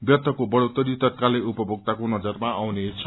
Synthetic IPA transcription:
bjʌt̪ʰːʌkobʌɽot̪ʌɾit̪ʌt̪̚kalːeupʌbʱʌk̚t̪akonʌd͡zʌrmaʔawnet͡sʰ

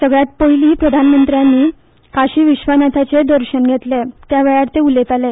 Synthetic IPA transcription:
səɡɭjat̪̚poiliːpɾəd̪ʱanmənt̪ɾjanːiː | kaɕiːʋiɕʋənat̪ʰat͡sed̪əɾɕənɡʱet̪let̪jaʋɛɭaɽt̪eulet̪ale

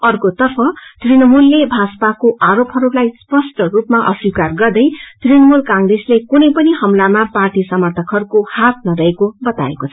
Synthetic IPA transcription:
ʌrkot̪ʌrpʰʌt̪rinʌmulːebʱaspakoʔaɾopɦʌɾulajspʌsʈʌrupmaʔʌswikarɡʌrd̪ʌjt̪rinʌmulkãŋreslekunʌjpʌnihʌmlamaparʈisʌmʌrt̪ʰʌkʰʌrkohat̪̚nʌɾʌekobʌt̪a̰ḛkot͡sʰʌ

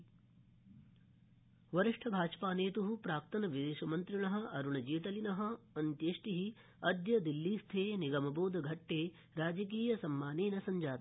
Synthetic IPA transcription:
ʋɐɾiʂʈʰɐbʱaːd͡ʒpaːneːt̪uɦupɾaːk̚t̪ɐnɐʋid̪eːʃɐmɐnt̪ɾiɳɐɦɐ̆ɐɾuɳɐd͡ʒeːt̪ɐlinɐɦɐ̆ɐnt̪jeːʃʈiɦi | ɐd̪jɐd̪ilːiːst̪ʰeːniɡɐmɐboːd̪ʱɐɡʱɐʈːeː | ɾaːd͡ʒɐk̬iːjɐsɐmːaːneːnɐsɐɲd͡ʒaːt̪ɐ

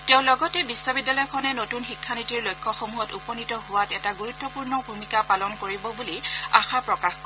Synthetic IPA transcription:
teʊ̃lɔɡɔtɛbisːɔbidːalɔjɔkʰɔnɛnotunxikʰːanitiɹlojkʰːɔxomuɦɔtupɔnitɔɦʊwatɛtaɡuɹutːɔpuɹnɔbʱumikapalɔnkoɹibɔbulia̰xapɹɔkax

